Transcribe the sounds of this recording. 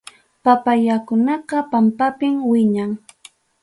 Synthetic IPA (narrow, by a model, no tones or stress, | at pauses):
papajakʊnɑqɑpampapɪmwɪɲaŋ